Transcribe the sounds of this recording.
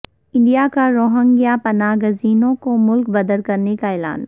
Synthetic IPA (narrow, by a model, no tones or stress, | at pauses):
ɪ̃ɳɖijakaɾoːɦə̃ŋɡijapɐnaːɡəziːnõkomʊlkbɐd̪əlkɐɾnekaeːla̰ːn